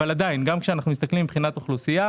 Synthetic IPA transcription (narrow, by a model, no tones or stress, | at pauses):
alad̪ainɡamkʃeanaχnumist̪aklimibχinat̪oχlusija